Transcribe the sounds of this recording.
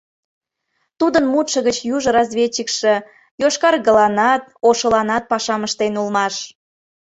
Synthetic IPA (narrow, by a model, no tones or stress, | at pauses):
t̪ud̪ənmut̪ʃəɣət͡ɕjuʒə̆ɾɑzβʲet͡ɕəkʃĕ | joʃkɑrɣə̆lɑnɑt̪̚oʃəlɑnɑt̪̚pɑʃɑməʃt̪enulmɑʃ